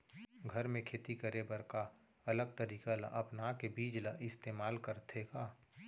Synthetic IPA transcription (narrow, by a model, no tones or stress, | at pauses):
ɡʱəɾmẽkʰeːt̪ikəɾebəɾka | ɐləɡ̚t̪əɾiːkala̰ʔɐpnakebiːd͡ʒlaʔɪst̪eːmaːlkəɾt̪ʰeɡaː